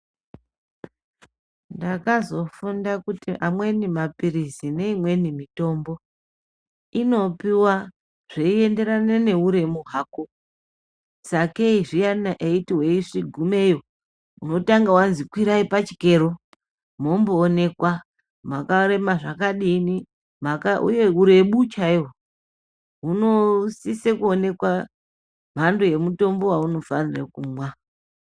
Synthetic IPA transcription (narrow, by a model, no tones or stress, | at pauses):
ndakazo̞fundakutiʔamwe̞nimapiɾisine̞imwe̞nimito̞mbo̞ | ino̞piwa | ʐ̥eie̞nde̞ɾanene̞uɾe̞muɦaːko | sake̞iʐijanaʔeitiwe̞iʂiɡʱume̞jo | uno̞taŋɡawanzikwiɾaipat͡ʃi̥ke̞ɾo | mo̞mboːne̞kwa | makaɾe̞maʐakaɗini | makaṵje̞uɾe̞ɓut͡ʃaiwo | ɦuno̞sisekuone̞kwa | m̤andoje̞muto̞mbo̞wauno̞fanirekumwa